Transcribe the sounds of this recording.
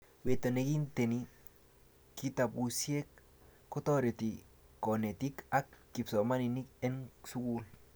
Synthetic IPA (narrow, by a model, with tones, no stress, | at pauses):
we˨to˨ne˨ki˦nte˨ni | ki˦ta˨pu˨sie˦k̚ː | ɔ˦tɔ˦ɾjo˨ti˨ | kɔ˨ne˨ti˦ka˦kːi˨psɔ˨ma˦ni˨ni˦kɛ˦nsu˦kul